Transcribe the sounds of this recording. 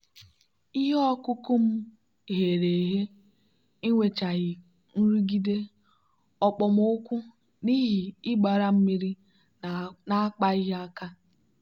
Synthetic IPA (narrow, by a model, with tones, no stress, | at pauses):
i˦ɦe˦ɔ˦kʊ˦kʊ˦m̩˦ | ɦe˨ɾe˨ɦe˦ | i˦ŋʷe˨t͡ʃa˨ɣɪ˨ | n̩˦ɾi˦ɡi˦de˦ | ɔ˨k͡pɔ˨m˦ʊ˦kʷʊ˦ | ni˦ɦi˨ɪ˦ɡ͡ba˨ɾa˦m̩˦mi˦ɾi˦ | na˦a˦k͡pa˦i˦ɦa˦ka˦